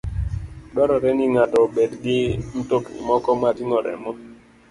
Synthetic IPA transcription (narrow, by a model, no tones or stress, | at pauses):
dɔɾɔɾɛniŋatɔbedɡɪn̩tokḭmɔkɔmatiŋɔɾɛ̰mɔ